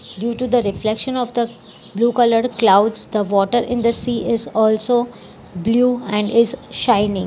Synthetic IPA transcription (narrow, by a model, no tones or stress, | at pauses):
ɖjuːʈud̪əɾɪflɛkʃə̃nɔːʋd̪ə | bluːkʌləɾɖklaʊɖzd̪əʋɔːʈəɾʔɪ̃nd̪əsiːʔɪzɔːlsoː | bluːɛ̃ɳɖɪzʃãɪnɪ̃ŋ